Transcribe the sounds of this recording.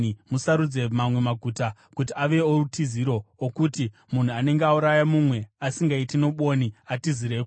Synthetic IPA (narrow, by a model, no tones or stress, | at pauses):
musaɾud͡ze̞mamwe̞maɡʱuta | kutiaʋe̞orutiziɾo̞okuti | mun̤uane̞ŋɡeauɾajamumwe̞asiŋɡaitino̞ɓo̞niatiziɾeːku